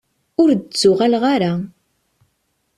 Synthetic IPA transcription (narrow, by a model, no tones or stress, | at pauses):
ʊɾdt͡sːʊʁalʁaɾa